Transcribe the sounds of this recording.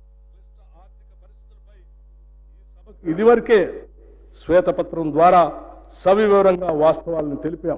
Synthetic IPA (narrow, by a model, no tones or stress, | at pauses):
i | ɐːɾt̪ikɐɐɾist̪it̪ulɐpɐj | ɐɐkid̪iʋɐɾikeː | sʋɛːt̪ɐpɐt̪ɾɐmd̪ʋaːɾaː | sɐbiʋiʋɐɾɐŋɡaːʋaːst̪ɐʋaːlɐnit̪e̞lipjaː